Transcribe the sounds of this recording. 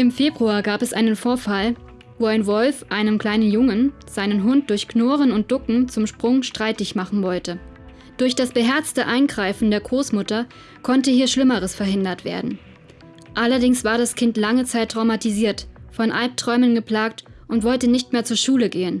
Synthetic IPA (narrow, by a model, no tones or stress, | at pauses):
ʔɪmfeːbʁuaːɡaːpɛsʔa̰ɪnənfoːɐfal | voːaɪnvɔlfʔaɪnənkl̥aɪnənjʊŋənz̥aɪnənɦʊnt̚d̥ʊɐçknoːʁənʊnt̚d̥ʊkŋ̩t͡sʊmʃpʁ̥ʊŋʃtʁ̥aɪtɪçmaχn̩vɔltə | d̥ʊɐçd̥asb̥əɦɛɐt͡stəʔaɪnɡʁaɪfn̩deːɐɡʁoːsmʊtɐ | kʰɔntəhiːɐʃlɪməʁəsfɛɐɦɪndɐtv̥ḛːɐdn̩ | ʔalɐdɪŋsv̥aːɐdaskʰɪntlaŋət͡saɪtːʁ̥aʊmatiziːɐtfɔnʔalp̚tʁ̥ɔʏmənɡəpl̥aːk̚tʔʊntv̥ɔltənɪçtmeːɐt͡suːɐʃuːləɡeːən